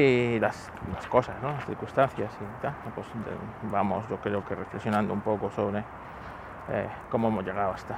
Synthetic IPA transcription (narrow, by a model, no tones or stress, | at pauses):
ilas | laskosasnolasθḭɾkust̪anθjasit̪anpwesbamo̰sʝo̞kɾeokerefleksjo̞nãnd̪oumpokosoβɾe | ḛ | komoemozjeɣ̞aðoast̪a